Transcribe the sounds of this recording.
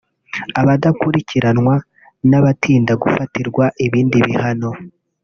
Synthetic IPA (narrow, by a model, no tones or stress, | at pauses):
aβadakuɾicʰiɾanŋwa | naβatʰiːndaɡufatiɾɡwaʔiβiːndiβihano̞